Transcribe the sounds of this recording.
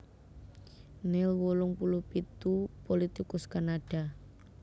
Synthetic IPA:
nɪlwolʊŋpulʊhpit̪upolit̪ikʊskanaɖ̥a

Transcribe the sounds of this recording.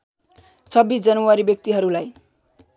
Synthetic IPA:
t͡sʰʌbːisd͡zʌnʌwaɾibjʌk̚t̪iɦʌɾulaj

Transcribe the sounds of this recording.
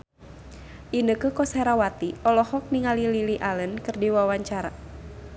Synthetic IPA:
ʔinəkəkɔsɛɾawat̪iɔlɔhɔk̚niŋalililiʔalənkɨrdiwawaɲt͡ʃaɾa̰

